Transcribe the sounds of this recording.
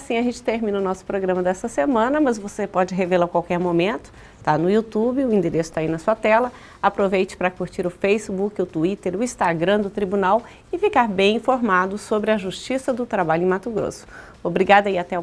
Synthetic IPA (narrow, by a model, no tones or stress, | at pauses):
sĩɐʒẽnt͡ʃɪ̥t̪eɾmĩnɐʊnɔsʊ̥pɾoɡɾɐ̃mɐd̪ɛst̪ɐsemɐ̃nɐmɐzvosepɔd͡ʒɪɦevelɐkwawkɛɾmomẽnt̪ʊ̥ | st̪anʊiut̪ubɪʊĩd̪eɾesʊ̥t̪ainɐsuɐt̪ɛlɐ | apɾovejt͡ʃɪ̥pɾɐkuɾt͡ʃiɾʊfejsibukɪʊt̪uit̪eɾʊĩst̪aɡɾɐ̃d̪ʊt̪ɾibunaw | ɪfikaɾbẽj̃ĩfoɾmad̪ʊsobɾɪɐʒuʃt͡ʃisɐd̪ʊt̪ɾabaʎʊẽmat̪ʊɡɾo̰sʊ̥ | obɾiɡad̪ɐiat̪ɛ